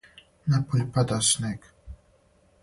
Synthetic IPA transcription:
napulʲpad̪asnɛk

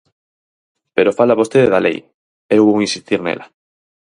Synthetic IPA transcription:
peɾofalaβost̪eðeðalḛj | ewuowĩnsist̪iɾnḛla

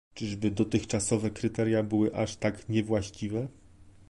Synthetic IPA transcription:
t͡ʂɘʐɛbɘd̪ɔt̪ɘxt͡ʂasɔvɛkɾɘt̪ɛɾjabɘwɘʔaʂt̪akɲɛvwaɕt͡ɕivɛ

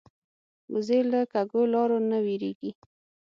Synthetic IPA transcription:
uzeləkaɡolɑɾonawiɾeɡi

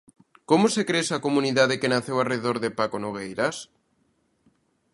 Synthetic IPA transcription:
komosekɾeesakomũniðaðekenaθewalreeðoɾðepakonoɣ̞ejɾas

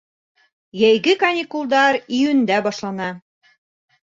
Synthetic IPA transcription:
jæjɡɘkɐnʲikulˠd̪ɑɾijɵ̆nd̪æbɑʃlˠɑnɑ

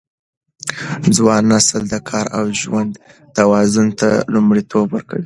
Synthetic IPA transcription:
d͡zwɑnːasəld̪əkʰɑɾawʒwand̪ | t̪awɑzʊnt̪a̰lumɽit̪ʰobwəɾka̰wi

